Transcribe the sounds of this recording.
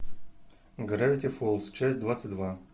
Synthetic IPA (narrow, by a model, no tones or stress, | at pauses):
ɡɾavʲɪtʲɪfolˠst͡ɕæsʲt̚ʲd̪vat̪sɨt̚ʲd̪va